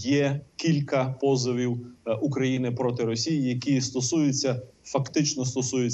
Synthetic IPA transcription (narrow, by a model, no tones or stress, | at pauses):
jɛkʲilʲkɐpɔzɔʋʲiwukɾɐjinɪpɾɔt̪ɪɾɔsʲijijɐkʲist̪ɔsujʊt͡sʲːɐfɐkt̪ɪt͡ʃnɔst̪ɔsujʊt͡sʲ